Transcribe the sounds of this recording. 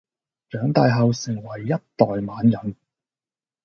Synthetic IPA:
t͡ʃœː˨˥ŋt̪aː˨˧jɦɐ˨wsɪ˨˩ŋwɐ˨˩jːɐ˥t̚t̪ɔː˨jmaː˨˥njɐ˨˥n

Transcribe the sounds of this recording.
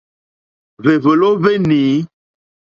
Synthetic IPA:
ve˨və˨lo˦ve˦niː˨˦

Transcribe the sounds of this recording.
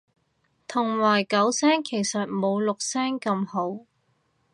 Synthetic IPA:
t̪ʰʊ˨˩ŋwaː˨˩jkɐ˨˥wsɛː˥ŋkʰe˨˩jsɐ˨t̚mo˨˧wlʊ˨k̚sɛː˥ŋkɐ˧mho˨˥w

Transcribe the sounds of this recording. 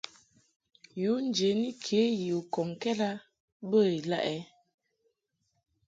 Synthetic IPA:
ju˨˦n˨d͡ʒe˨ni˦kʰe˨˦ji˨o˨kɔ˨ŋ˨kɛ˦la˦ | bə˦˨i˨la̰˦ʔɛ˦

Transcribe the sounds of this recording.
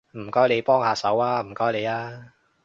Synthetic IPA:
m̩˨˩kɔː˥jle˨˧jpɔː˥ŋhaː˨˧sɐ˨˥waː˥m̩˨˩kɔː˥jle˨˧jaː˥

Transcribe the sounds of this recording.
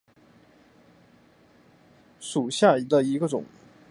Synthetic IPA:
ʂu˨˩ɕja˥˩i˧˥d̪ə˧i˧˥ɡə˥˧ʈ͡ʂʊ̰˨˩˦ŋ

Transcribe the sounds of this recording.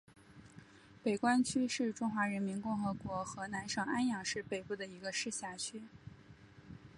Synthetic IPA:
pe˨˩ɪkwa˥nt͡ɕʰy˥ʂɻ̩˥˩ʈ͡ʂʊ˥ŋxwa˧˥ɻə˧˥nmi˧˥nkʊ˥˩ŋxɤ˧˥kwɔ˧˥xɤ˧˥na˧˥nʂɤ˨˩ŋa˥njɑ˨˩ŋʂɻ̩˥˩pe˨˩ɪpu˥˩d̪ə˩i˧˥ɡə˧ʂɻ̩˥˧ɕja˥˩t͡ɕʰy˥

